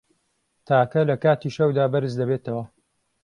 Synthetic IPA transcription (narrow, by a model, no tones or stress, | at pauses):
t̪ʰaːkɐlɐkaːt̪iːʃɐwd̪aːbɐɾɨzd̪ɐβeːt̪ɐwɐ